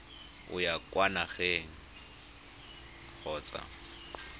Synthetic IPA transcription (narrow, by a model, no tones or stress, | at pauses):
ʊ̰jakʼwanaχɛŋ | k͡xʰɔːt͡sʼa̰